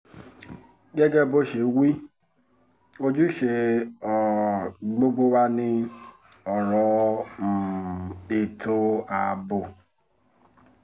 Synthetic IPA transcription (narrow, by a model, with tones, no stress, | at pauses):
ɡe˦ɡe˦˨bo˦ʃe˨˦wi˦ | o˦d͡ʒu˦ʃe˨ɔ˨ɡ͡bo˦ɡ͡bo˦wa˦nɪ˦ | ɔ˨ɾɔ˨m̩˨ | e˨tʰo˦a˨bʊ˨